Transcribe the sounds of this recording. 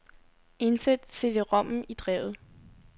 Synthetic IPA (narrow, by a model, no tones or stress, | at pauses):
e̝nsed̥t͡sʰe̝deʁɒ̽m̰m̩id̥ʁɛ̰ʊ̰ð̞̩ˠ